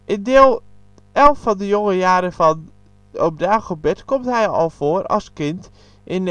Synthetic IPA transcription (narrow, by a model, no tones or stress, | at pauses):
ʔɪndɪːlˠ | ɛlˠfɔndəjoŋəjaːɾəvɔn | op̚daːxəbɪtkomtɦɛjɔ̰lˠv̥oərɔ̰lˠskɪnt | ʔɪn